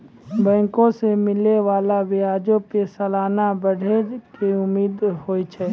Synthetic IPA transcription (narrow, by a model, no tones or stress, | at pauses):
bɛ̃ːŋkõsemɪleʋaːlaʋɪaːd͡ʒõpesəlaːnabəɽ̤ʱekeʊmːiːd̪ɦoːit͡ʃʰɛː